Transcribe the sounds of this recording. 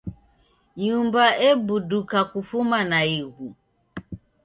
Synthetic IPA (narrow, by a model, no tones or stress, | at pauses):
ɲumbaɛbudukakufumanaiɣu